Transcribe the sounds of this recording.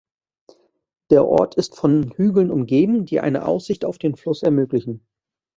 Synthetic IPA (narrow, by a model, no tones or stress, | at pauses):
d̥eːɐʔɔ̰ɐtʰɪstfɔnhyːɡl̩nʊmɡeːbm̩diːʔa̰ɪnə̰ʔa̰ʊsz̥ɪçta̰ʊfd̥eːnflʊsɛɐmøːklɪçn̩